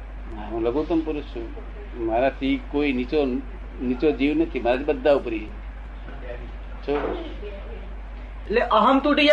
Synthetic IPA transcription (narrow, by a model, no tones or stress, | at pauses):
aũləɡot̪əmpuɾusʰu | maɾat̪ʰikoinit͡ʃo | nit͡ʃod͡ʒiwnət̪ʰimaɾat̪ʰibəd̪ːaupəɾie | t͡ʃʰo | leʔɐɦəmt̪uʈija